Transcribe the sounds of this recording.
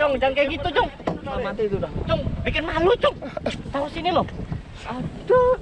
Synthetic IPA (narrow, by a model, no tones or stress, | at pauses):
oŋd͡ʒaŋkekit̪ut͡ʃʊŋamat̪it̪udat͡ʃʊŋbikənmalut͡ʃʊŋt̪ausinilo | adɔ